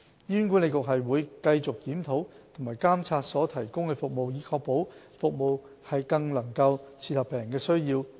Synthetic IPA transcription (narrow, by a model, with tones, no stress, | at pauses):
jiː˥nkʷu˥nle˨˧jkʊ˨k̚ɦɐ˨jwuː˨˧jkɐ˧jt͡sʊ˨k̚kiː˨˥mt̪ʰo˨˥w | t̪ʰʊ˨˩ŋmaː˨˩jkaː˥mt͡sʰaː˧t̚sɔː˨˥t̪ʰɐ˨˩jkʊ˥ŋkɛː˧fʊ˨k̚mo˨wjiː˨˥kʰɔː˧k̚po˨˥w | fʊ˨k̚mo˨w | hɐ˨jkɐ˧ŋlɐ˨˩ŋkɐ˧wt͡sʰiː˧t̪̚hɐ˨˩pːɛː˨jŋkɛː˧sɵ˥ɥjiː˧w